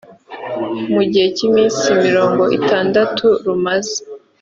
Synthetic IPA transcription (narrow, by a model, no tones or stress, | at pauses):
muɟihe̞cimiːnsimiɾo̞ːŋɡo̞ʔḭtaːndatʰuɾumaze̥